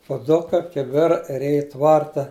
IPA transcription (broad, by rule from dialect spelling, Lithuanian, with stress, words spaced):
pʊˈdʊkɐ kʲɪˈbʲɪrɐ ɪr ˈɛj ɪ ˈtʋɐrtɐ